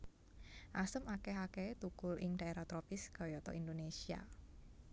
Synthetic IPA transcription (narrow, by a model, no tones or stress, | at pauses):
ʔasəmakeɦaket̪ukʊlʔɪŋd̥a̤eɾat̪ɾɔpɪsɡ̥ɔ̤jɔt̪ɔ̰indonesia̰